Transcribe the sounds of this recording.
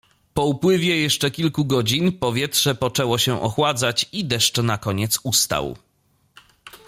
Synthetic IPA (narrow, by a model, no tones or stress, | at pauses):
pɔupwɘvʲjɛjɛʂt͡ʂɛkʲilkuɡɔd͡ʑinpɔvʲjɛtʂɛpɔt͡ʂɛwɔɕɛʔɔ̰xwad̪zat͡ɕid̪ɛʂt͡ʂnakɔɲɛt̪sust̪a̰w